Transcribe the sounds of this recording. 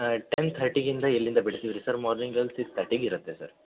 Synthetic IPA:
ʈent̪ʰɐɾʈːiɡind̪ɐɛlːind̪ɐbiɽt̪iʋiɾisɐɾmaːɾniŋɡɐlsikst̪ʰɐɾʈːiɡiɾɐt̪ːe̞sɐ̰ɾ

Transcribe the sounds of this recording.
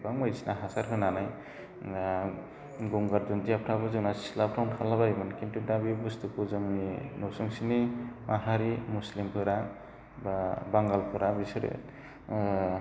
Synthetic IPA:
baŋmajsinaɦasaɾɦʰɯnanaj | ɡuŋɡaɾduntiapʰɾabɯzɯnasi̥slapʰɾawntʰalaβajmɯnkintʰudabibust̪ukuzɯŋinɔsuŋsinimaɦaɾimuslimpʰɯɾa | baŋɡalpʰɯɾabisɾḛ

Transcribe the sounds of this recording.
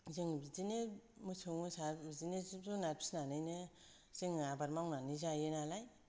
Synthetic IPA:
zɯŋbizinemusʰɯŋɯsazinezzunaɾpʰi̥snanɯjnɯ | z̥eŋabaɾmawnanizajenalaj

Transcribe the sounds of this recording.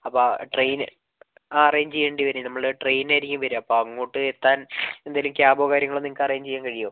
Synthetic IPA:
ɐpːoʈrejn | aːrejɲd͡ʑejːeːɳɖiʋɐɾenɐmːɐɭʈrejnnaːjinikʲːumʋɐɾuɐpːoɐŋːoːʈːɨet̪ːaːne̞nd̪aːjilumkjaːbo̞ːkaːɾjɐŋːɐɭonːiŋkːaːrɐjaɲt͡ɕejːaːnkɐɻijoː

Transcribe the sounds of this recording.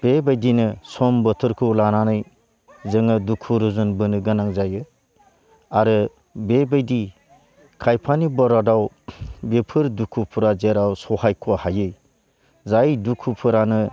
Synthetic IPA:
b̥ebajdinɯsɔmbɔtʰɯɾkʰɯlananɯj | zɯŋɯdukʰuɾuzunbɯnɯɡɯnaŋzajɯ | aɾɯ | bebajdi | kʰajpʰanibɔɾadaw | bepʰɯɾdukʰupʰuɾazeɾawsɔhajkʰuahajɯj | zajdukʰupʰɯɾanɯ

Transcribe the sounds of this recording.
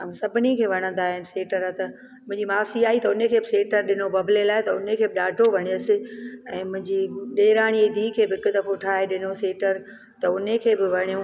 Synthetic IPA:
sɐbʱɪnikʰeːʋɐɽ̃ə̃nd̪aːɦɪnɪ̆seːʈəɾat̪ɐ | mʊ̃ɪ̃ɲd͡ʑimaːsiaːit̪ɐʊnekʰeːbɪseːʈəɾɗɪnobɐbʱlelaːɦɪt̪ɐʊnekʰeːbɪɗaːɖʱoʋɐɽ̃ijosɪɛ̃ːmʊ̃ɦɪ̃ɲd͡ʑiɗeːɾaːɽ̃ied̪ʱiːkʰeːbɪɪkʊd̪ɐfoʈʰaːɦeɗɪnoseːʈəɾ | t̪ɐʊnekʰeːbɪʋɐɽ̤̃ijũ

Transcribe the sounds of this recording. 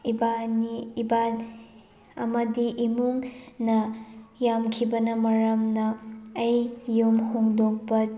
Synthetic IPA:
ibaniːba | ɐmɐdiʔimuŋnɐjamkʰibɐnɐmɐɾɐmnɐːjːomhoŋdok̚pɐ

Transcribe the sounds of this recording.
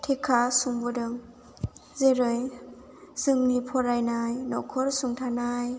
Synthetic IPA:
tʰekʰasuŋbɔdɯŋ | zeɾɯj | z̥ɯŋnipʰɔɾajnajnɔkʰɔɾsuŋtʰanaj

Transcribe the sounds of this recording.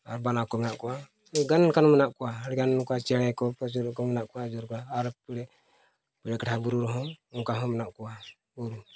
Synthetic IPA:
aɾbanakɔmɛnaʔkua | ɡanɛnkanɔmɛnaʔkuaɾɛɡanɛnkuat͡ʃɛɾɛkɔpɔd͡ʒɔɾkɔmɛnaʔkuad͡ʒɔɾkɔaːɾpɛɾɛ | pɛɾɛkaabuɾuɾɔɦɔuŋkaɦɔmɛnaʔkua | uɾu

